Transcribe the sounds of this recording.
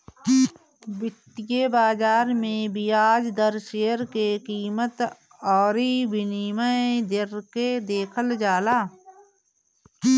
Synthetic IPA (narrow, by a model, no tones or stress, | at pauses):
bɪt̪ːjebaːd͡ʒaːɾmẽbʱiaːd͡ʒd̪əɾʃeːəɾkekiːmət̪ | ɔːɾibɪniːməed̪ɪɾked̪eːkʰəld͡ʒaːlaː